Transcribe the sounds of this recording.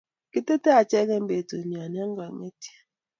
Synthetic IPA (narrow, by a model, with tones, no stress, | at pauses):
ki˦te˦te˦a˨t͡ʃɛ˦kɛ˦m˦be˨tu˨ni˨a˨n˦a˦ŋ˦ɡa˨ŋe˦ti̥˦